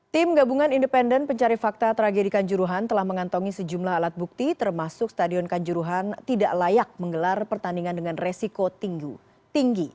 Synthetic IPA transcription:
t̪ɪmɡabuŋanindəpɛndənpəɲt͡ʃaɾifak̚t̪at̪əɾaɡedikaɲd͡ʒuɾuɦant̪əlahməŋant̪ɔŋisəd͡ʒumlaɦalat̪̚buk̚t̪it̪ərmasʊk̚st̪adiɔnkaɲd͡ʒuɾuɦant̪idaʔlajak̚məŋɡəlarpərt̪andiŋandəŋanresikot̪iŋɡu | t̪iŋɡi

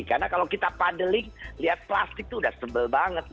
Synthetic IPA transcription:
karnakalawkit̪apadəlɪŋliɦat̪̚pla̰st̪ɪk̚t̪uːdahsəmbəlbaŋət̪̚

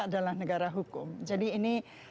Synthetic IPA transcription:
ʔdalamnəɡaɾaɦukumd͡ʒadiːni

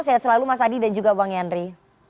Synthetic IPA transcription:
sajasəlalumasadidand͡ʒuɡabaŋjanɾi

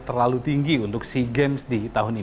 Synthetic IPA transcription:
t̪ərlalut̪iŋɡiunt̪ʊksiɡemsdit̪aɦʊni

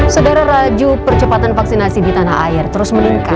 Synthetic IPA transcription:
sodaɾarad͡ʒupərt͡ʃəpat̪anfaksinasidit̪anaha̰ɪrt̪əɾʊsməniŋka

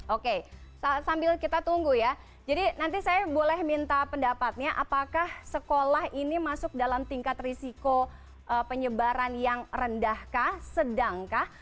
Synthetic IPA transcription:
okesasambɪlkit̪at̪uŋɡuja | d͡ʒadinant̪isajabolɛhmint̪apəndapat̪̚ɲaʔapakahsəkolahinimasʊk̚dalamt̪iŋkat̪risiko | ʔəpəɲəbaɾanjaŋrəndahkahsədaŋkah

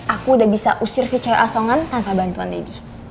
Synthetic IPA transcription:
ʔakudabisa̰ʔusɪrsit͡ʃajʔasɔŋant̪anpabant̪uand̪edi

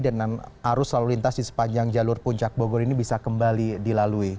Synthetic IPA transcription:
dəŋanaɾʊsalulint̪asdisə̥paɲd͡ʒaŋd͡ʒalʊrpuɲt͡ʃak̚boɡɔrinibisakəmbalidilalui

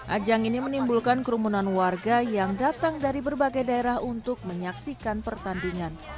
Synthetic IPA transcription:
ʔad͡ʒaŋinimənimbulkankəɾumunanwarɡajaŋdat̪aŋdaɾibərbaɡajdaeɾahunt̪ʊk̚məɲaksikanpərt̪andiŋan

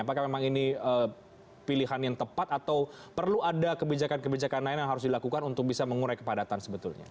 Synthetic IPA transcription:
apakahmemaŋiniə | piliɦanjaŋt̪əpat̪at̪awpərluadakəbid͡ʒakankəbid͡ʒakanlainjaŋɦaɾʊsdilakukanunt̪ʊk̚bisaməŋuɾajkəpadat̪ansəbət̪ulɲa̰

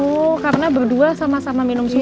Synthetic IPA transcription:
ɔkaɾənabərduasamasamaminʊmsu

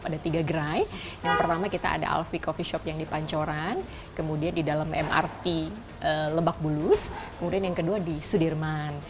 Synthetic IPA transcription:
padat̪iɡaɡəɾaj | jaŋpərt̪amakit̪a̰ːda̰ʔa̰lfikɔfiʃɔpjaŋdipaɲt͡ʃoɾan | kəmudiandidalamɛ̰ma̰rt̪i | ʔələbak̚bulʊskəmudianjaŋkəduadisudirman

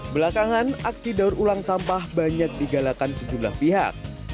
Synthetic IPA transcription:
bəlakaŋanaksidarulaŋsampahbaɲak̚diɡalakansəd͡ʒumla̰hpiɦa̰k̚

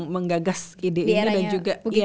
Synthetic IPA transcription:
məŋɡaɡasideʔinidand͡ʒuɡa

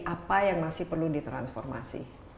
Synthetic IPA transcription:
ʔapajaŋmasɪhpərludit̪ɾa̰nsfɔ̰rma̰sḭ

